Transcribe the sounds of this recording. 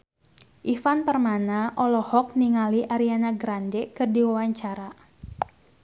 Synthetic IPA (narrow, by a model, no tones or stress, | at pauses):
ʔifanpərmanaʔɔlɔhɔk̚niŋaliʔaɾianaɡɾandɛkɨrdiwawaɲt͡ʃaɾa